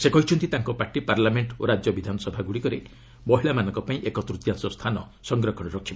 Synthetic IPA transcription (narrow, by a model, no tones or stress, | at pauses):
sekɔɦit͡ʃʰɔnt̪it̪aŋkɔpaɾʈipaɾlameɳʈoɾad͡ʒjɔbid̪ʱanɔsɔbʱaɡuɽikɔɾe | bɔɦiɭamanɔ̃ŋkɔpaĩʔekɔt̪ɾut̪jansɔst̪ʰanɔ | sɔŋɡɾɔkʰɔɽ̃ɔɾɔkʰːib